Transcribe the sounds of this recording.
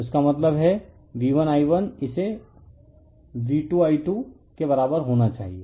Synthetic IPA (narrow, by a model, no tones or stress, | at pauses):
ʊskamɐt̪ləbɦɛ | diːʋənaːiʋənɪse | ʋiːʈuaːiʈu | kebɐɾaːbəɾɦoːnat͡ʃa̰ːɦieː